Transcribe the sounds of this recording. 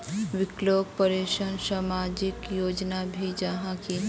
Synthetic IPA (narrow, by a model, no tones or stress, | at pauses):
ʋɪkloɡ̚pəɾeʃənsamad͡ʒikjoːd͡ʒnabʱed͡ʒaɦãki